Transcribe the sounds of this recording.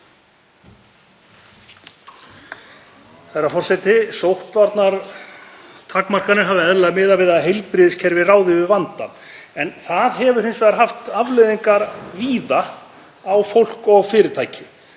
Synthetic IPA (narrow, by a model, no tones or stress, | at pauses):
θɛjɾːafɔr̥sɛt̪ɪsowht̪vaɾt̪naɾ | t̪ʰaːkmar̥kanɪɾɦaːvðɪɛðlaðmɪːðavɪðaðɦejlpɾɪːðɪscʰɛɾvɪraːwðɪʏvant̪a̰n | ɛnθaðɦɛvʏɾ̥ejnsvɛːɣɾaɦaft̪avlɪːðiŋkaɾviːða | awfowl̥kɔɣfɪːɾɪɾt̪ʰaːjcʰɪ̥